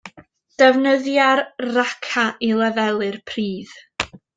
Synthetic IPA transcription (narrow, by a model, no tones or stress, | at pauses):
d̥əvnəðjarrakʰaʔilˠɛvɛlˠɨrpʰriːð̥